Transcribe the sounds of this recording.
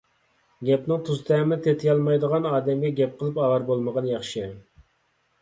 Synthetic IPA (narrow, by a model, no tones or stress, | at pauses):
ɡʲɛp̚nɨŋt̪ʰuzt̪ɛmɪt̪ʰet̪ʰɪjɑlˠmɑjd̪əʁɑnɑːd̪ɛmɡʲɛɡʲɛp̚qʰəlˠɨpɑlˠɑɾbolˠməʁɑnjɑχʃɨ